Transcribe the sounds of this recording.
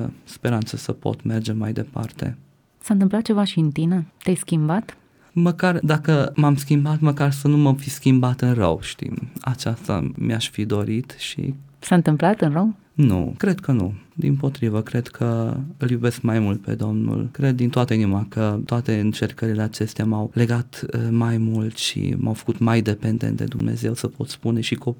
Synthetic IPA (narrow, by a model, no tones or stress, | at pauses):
əspe̞ɾant̪səsəpo̰t̪me̞rd͡ʒe̞majd̪e̞pa̰rt̪e̞̰ | saɨnt̪ɨmplat̪̚t͡ʃe̞vaʃiɨnt̪inet̪ajskʲimbat̪ | məkard̪akəmamskʲimbat̪məkarsənuməfiskʲimbat̪ɨnrə̰wʃt̪ḭma̰t͡ʃast̪a̰miaʃfid̪o̞ɾit̪ʃḭ | saɨnt̪ɨmplat̪ɨnrəw | nṵkɾe̞d̪̚kʰənṵd̪ḭmpo̞t̪ɾivəkɾe̞d̪kʰəɨljube̞skmajmult̪̚pe̞̰d̪o̞mnṵlkɾe̞d̪ːint̪oat̪əinimakət̪oat̪e̞ɨnt͡ʃe̞rkəɾile̞at͡ʃe̞st̪eamawle̞ɡat̪majmult̪ʃḭmʔawfə̥kut̪majd̪e̞pend̪ent̪d̪e̞̰d̪umne̞̰ze̞wsəpo̞t̪spune̞ʃiko